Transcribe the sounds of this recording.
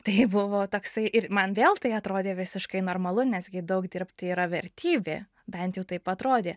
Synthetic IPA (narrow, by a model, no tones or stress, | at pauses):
t̪ɐɪbʊʋoːt̪oːksɐɪʔɪɾmɐnʋʲeːlˠt̪ɐɪɐt̪ɾoːd̪ʲeːʋʲɪsʲɪʃkɐɪnoːrmɐlˠʊnʲɛsʲɡʲɪd̪ɐʊkd̪ʲɪrpt̪ʲiːɾɐʋʲɛɾʲt̪ʲʰiːbʲḛː | bʲɛnt̪ʲjɛʊt̪ɐɪpɐt̪ɾoːd̪ʲeː